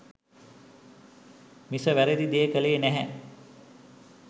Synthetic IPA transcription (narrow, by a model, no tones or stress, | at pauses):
misəʋæɾed̪id̪ijekəleːnæɦæ